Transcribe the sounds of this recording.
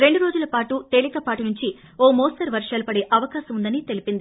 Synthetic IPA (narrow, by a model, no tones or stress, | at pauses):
ɾeɳɖuɾo̞ːd͡ʒulɐpaːʈut̪e̞ːlikɐpaːʈunuɲt͡ʃi | oːmoːsʈɐɾʋɐɾʂaːlupɐɽe̞ːʔɐʋɐkaːsɐmund̪ɐnit̪e̞lipind̪i